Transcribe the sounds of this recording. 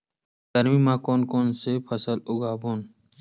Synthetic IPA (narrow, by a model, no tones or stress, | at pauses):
t̪əɾmiːmãːkoːnkoːnsepʰəsəlʊɡaːboːn